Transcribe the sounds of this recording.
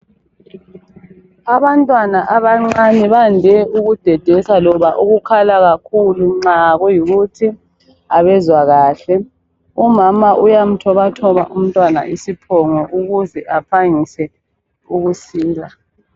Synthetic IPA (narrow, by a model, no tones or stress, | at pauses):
aβantʼwanaʔaβaŋ͡ǀaniβandʱɛʔuɣud̥ʱɛd̥ʱɛsalɔβaʔuɣukʰalaɣakʰuluŋ͡ǀaɣɔjiɣutʰi | aβɛzwaɣaːɬɛ | umamaʔujam̩tʰɔβatʰɔβaʔum̩tʼwana̰ʔisipʰɔŋɔʔuɣuzɛʔapʰaŋisɛ | uɣusiːla